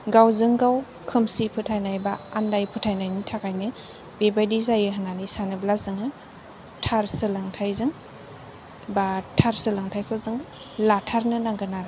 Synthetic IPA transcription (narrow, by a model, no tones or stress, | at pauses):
ɡawzɯŋɡaw | kʰɯmsipʰɯtʰajnajbaandajpʰutʰajnajnitʰakʰajnɯ | bebajdizajɯɦɯnanisanɯblazɯŋɯ | tʰaɾsɯlaŋtʰajzɯŋ | batʰaɾsɯlaŋtʰajkʰɯzɯŋɯ | latʰaɾnɯnaŋɡɯnaɾ